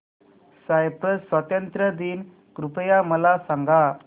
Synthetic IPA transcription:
sajpɾəsːʋat̪ənt̪ɾəd̪iːn | kɾupəjaməlasaŋɡa

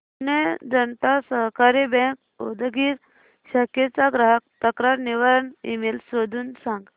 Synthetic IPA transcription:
ned͡zənt̪asəɦkaɾibɛ̃k̚ | od̪əɡiːɾ | ɕəket͡saɡɾəɦək̚t̪əkɾaɾniʋaɾənḭmelsod̪ʱuːnsãŋɡ

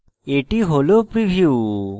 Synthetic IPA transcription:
eʈiɦolopɾibʱjuː

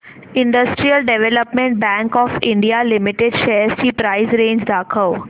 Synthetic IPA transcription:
ɪ̃ɳɖəsʈɾiəlɖeʋeləpmẽɳʈ̚bæ̃ːŋkɔːfɪ̃ɳɖijalɪmɪʈeɖʃeːɾsiːpɾaɪzɾẽːɲd͡ʒd̪aːkʰəʊ

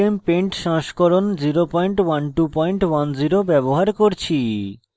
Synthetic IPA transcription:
empeɳʈʃɔ̃ŋʃkoɾond͡ʑiɾopɔjɳʈwanʈupɔjɳʈwand͡ʑiɾobɛboɦaɾkoɾt͡ɕʰi

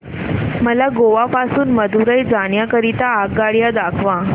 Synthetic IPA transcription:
məlaɡoʋapasuːnməd̪ʱuɾəjd͡zaɽjakəɾit̪aːɡɡaɽjad̪akʰʋã

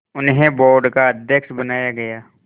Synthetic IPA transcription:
ʊnɦẽboːɾɖkaɐd̪ʱjəkʃbɐnaːjaɡɐjaː

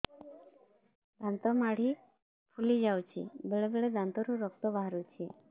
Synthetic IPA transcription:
d̪ʱãnt̪ɔmaɽ̤i | pʰulid͡ʑawt͡ɕḭbeɭebeɭed̪ʱãnt̪ɔɾũɾɔkt̪ɔbaɦɾut͡ɕi

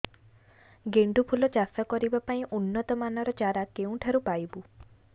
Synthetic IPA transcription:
ɡeɳɖupʰulɔt͡ʃasakɔɾibapaĩʔunːɔt̪ɔmanɔɾɔt͡ʃaɾakeũʈʰaɾupajbu

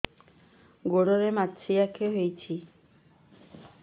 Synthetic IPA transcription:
ɡoɽoɾematːt͡ʃʰijakʰeɦojt͡ʃʰi

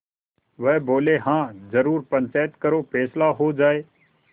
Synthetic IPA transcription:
ʋəɦboːleːɦãːzəɾuːɾpə̃ɲʲt͡ʃaːɪt̪kəɾoːpʰeːslaːɦoːd͡ʒaːeː

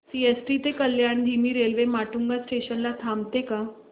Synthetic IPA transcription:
siesʈit̪ekəljaɽ̃d̪ʱimiːɾelʋemaʈuŋɡasʈeɕənlat̪ʰamt̪eka

